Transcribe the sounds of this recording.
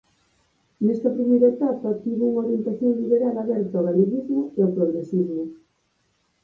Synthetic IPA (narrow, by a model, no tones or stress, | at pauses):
nest̪apɾimejɾet̪apat̪iβeuŋoɾjent̪aθjoŋliβeɾalaβeɾt̪oβaliðizmoeopɾoɣɾesizmo